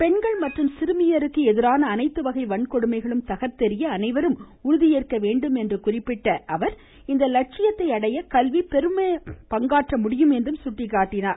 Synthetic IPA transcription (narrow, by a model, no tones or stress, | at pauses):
pɛnɡɐɭmɐʈrɯmsɪɾɯmɪjɐɾɯkːɯɛðɪɾaːnɐːnɐɪt̪ːɯʋɐɣɐɪʋɐɳkɔɽɯmɐɪɣɐɭɯmt̪ɐɣɐɾt̪ːɛɾɪjɐːnɐɪʋɐɾɯm | ʊɾʊðɪjeːrkɐʋeːɳɖɯmɛndrɯkʊrɪpːɪʈːɐʔɐʋɐɾ | ɪnd̪ɐlɐʈ̚t͡ʃɪjɐt̪ːɐɪɐɽɐjɐkɐlʋipɛɾɯmeːpɐŋɡaːʈrɐmʊɽɪjɯmɛndrɯmsʊʈːɪkːaːʈːɪnaːɾ